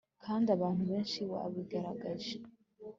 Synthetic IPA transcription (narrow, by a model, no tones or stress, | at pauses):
kʰaːndiaβaːn̥huβe̞ːnʃiwa̰βiɡaɾaɡaʒe